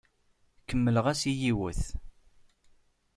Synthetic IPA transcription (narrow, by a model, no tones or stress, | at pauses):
kːəmːələʁæsijiwə̰θ